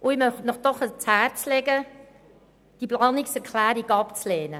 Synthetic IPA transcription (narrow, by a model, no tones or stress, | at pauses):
ʔʊɪmœχnɔχd̥ɔχət͡shæːɾt͡slɛɡə | d̥iplɑːnɪksɛɾkʰlæːɾiɡɑpt͡sleːnə